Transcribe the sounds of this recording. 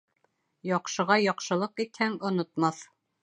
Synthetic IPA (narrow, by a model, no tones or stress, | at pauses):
jɒqʃɤ̆ʁɑjɒqʃɤ̆lˠɤqit̪hæŋŏnŏt̪mɑθ